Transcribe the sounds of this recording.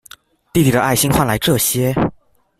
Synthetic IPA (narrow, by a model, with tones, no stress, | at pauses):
t̪i˥˩i˨˩d̪ə˦ʔa˥˩ɪɕi˥nxwa˥˩nla˧˥ɪʈ͡ʂɤ˥˩ɕjɛ˥